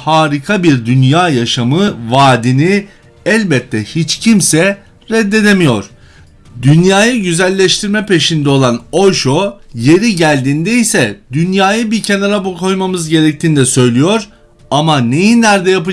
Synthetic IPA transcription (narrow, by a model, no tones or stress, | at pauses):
haːɾikʰabiɾd̪ynjaːjaʃamɯvaːd̪ini | ɛlʲbɛt̪ʰːɛhit͡ʃcʰimsɛ | ɾɛd̪ːe̞d̪emijo̞ɾ̥ | d̪ynjaːjɯɟyzælʲːɛʃt̪ʰiɾmɛpe̞ʃind̪ɛo̞lˠano̞ʃo̞je̞ɾiɟælʲd̪iːnd̪ejisɛd̪ynjaːjɯbicʰe̞naɾabukʰo̞jmamɯzɟe̞ɾɛc̚t̪ʰiːnid̪ɛsø̞jlʲijo̞ɾ | amane̞jinːæɾd̪ɛjap̬ɯ